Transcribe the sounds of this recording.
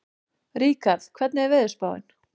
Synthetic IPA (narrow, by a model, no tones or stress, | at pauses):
ɾiːkaɾðkʰvɛt̪nɛɛɾvɪðʏspaːwɪ̰n̥